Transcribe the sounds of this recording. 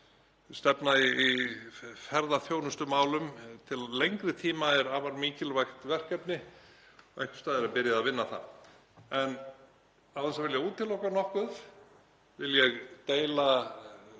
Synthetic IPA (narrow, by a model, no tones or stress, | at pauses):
st̪ɛpnaii | fɛɾðaθjoːwnʏst̪ʏmːaːwlʏmt̪ʰɪllejŋkɾɪt̪ʰiːmaɛɾaːvaɾmiːcɪlvajxt̪vɛr̥kɛpnɪ | ɔɣɛhkʏ̥st̪aːðɛɾapɪɾjaðavɪnːaθa̰ | ɛn | aðɛsavɪljɛɣuːt̪ːɪlɔːhkanɔhkʏð | vɪljɛɣt̪eːjla